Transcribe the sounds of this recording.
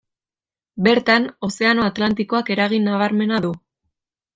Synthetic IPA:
be̞ɾt̪ano̞se̞ano̞at̪lant̪iko̞ake̞ɾaɣ̞inːaβaɾme̞naðu

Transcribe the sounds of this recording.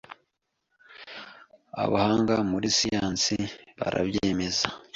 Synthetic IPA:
a̰βahaːŋɡamuɾisijaːnsiβa̰ɾa̰bjeːme̞za

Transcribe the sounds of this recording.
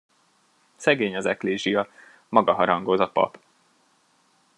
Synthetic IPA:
sɛɡeːɲɒzɛkleːʒijɒ | mɒɡɒɦɒɾɒŋɡo̞zɒpɒ̰p

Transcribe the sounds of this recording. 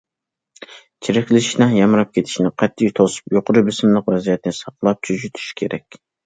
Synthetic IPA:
t͡ʃʰiɾɪkʲlɪʃnɨŋjɑmɾɑp̚kʲʰet̪ʰɪ̥ʃnɪqʰɛt̪ʰːijt̪ʰosu̥pjoqʊɾɨbɪsɪmlˠəqvɛzijɛt̪ɪnɪsɑqlˠɑp̚t͡ʃʰyd͡ʒyt̪ʰy̥ʃkʲʰeɾʔɛkʲ

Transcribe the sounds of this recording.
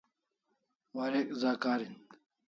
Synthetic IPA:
wɐɾekzaːkaːɾin

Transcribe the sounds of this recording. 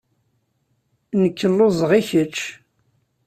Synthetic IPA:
nəkʰːəlːozˤʁiçət͡ʃː

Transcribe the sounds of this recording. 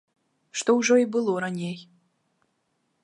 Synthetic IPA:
ʃt̪ouʐoibɨlˠoɾanʲej

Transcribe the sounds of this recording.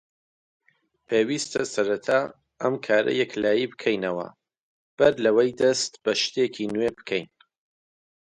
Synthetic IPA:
pʰeːwiːst̪ɐsɐɾɐt̪ʰaː | ɐmkʰaːɾɐ̰jɐklaːjibɨkʰɛjnɐwɐ̰ | b̥ɐɾlɐwɐjd̪ɐst̪b̥ɐʃt̪ekʰinwebɨkʰɛjn

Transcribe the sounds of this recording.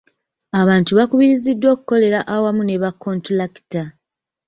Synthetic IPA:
aβaːntuβakuβiɾizidːwo̞ːku̥kːo̞le̞ɾaʔawamune̞βakːo̞ntolaki̥ta

